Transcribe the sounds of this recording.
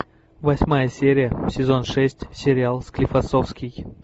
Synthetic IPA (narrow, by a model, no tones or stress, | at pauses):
vɐsʲmajəsʲeɾʲɪjəsʲɪzo̞nʂɛsʲtʲsʲeɾʲɪalˠsklʲifɐsofskʲij